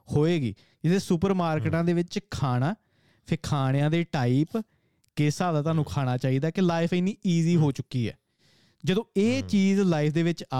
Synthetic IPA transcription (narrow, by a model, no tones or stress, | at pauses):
hoːeːɡḭː | d͡ʒɪt̪eːsʊpəɾmaːɾkːʈãːd̪eːʋɪt͡ʃkʰaːɽ̃aː | pʰɪɾkʰaːɽ̃ejãːd̪eːʈaːiːp | kɪsaːd̪aːt̪aːnũːkʰaːɽ̃aːt͡ʃaːiːd̪aːkɪlaːɪpʰɪnːiːiːziːɦoːt͡ʃʊkːiːɦɛ̰ː | d͡ʒəd̪õːeːt͡ʃiːzlaːipʰd̪eːʋɪt͡ʃa